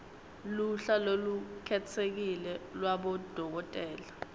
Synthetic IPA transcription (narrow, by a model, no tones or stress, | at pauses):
luɬalolukʰɛtʰek̬ilɛlwaɓɔd̥ʱɔk̬ɔtʼɛːla